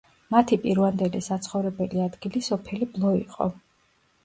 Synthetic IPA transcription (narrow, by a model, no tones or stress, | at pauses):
mat̪ʰipʼiɾvand̪ɛlisat̪sʰχɔvɾɛbɛliad̪ɡilisɔpʰɛliblˠɔḭqʼɔ̰